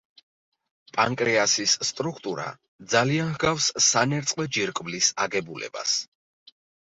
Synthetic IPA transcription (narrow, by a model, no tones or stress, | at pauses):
pʼaŋkʼɾɛasisːt̪ʼɾukʰt̪ʼuɾa̰ | d̪zalianhɡafsːanɛɾt̪sʼqʼwɛd͡ʒiɾkʼblisaɡɛbulɛ̰ba̰s